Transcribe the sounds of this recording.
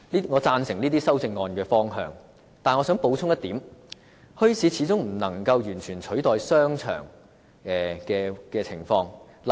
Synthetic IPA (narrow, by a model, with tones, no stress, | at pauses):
li˥ŋɔː˨˧t͡saː˧nsɪ˨˩ŋliː˥t̪iː˥sɐ˥wt͡sɪ˧ŋːɔː˧nkɛː˧fɔː˥ŋɦœ̰ː˧ŋ | t̪aː˨nŋɔː˨˧sœː˨˥ŋpo˨˧wt͡sʰʊ˥ŋjɐ˥t̪iː˨˥m | hɵ˥ɥsʰiː˨˥t͡sʰiː˨˥t͡sʊ˥ŋm̩˨˩nɐ˨˩ŋkɐ˧wjyː˨˩nt͡ʃʰyː˨˩nt͡ʃʰɵ˨˥ɥt̪ɔː˨jsœː˥ŋt͡ʃʰœ̰ː˨˩ŋ | ɛ˨kɛː˧kɛː˧t͡sʰɪ˨˩ŋfɔː˧ŋ | l